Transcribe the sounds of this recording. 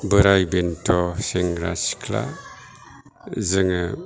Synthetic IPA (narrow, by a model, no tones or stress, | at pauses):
bəɾajbentoseŋɾa̰skla̰ | zəŋə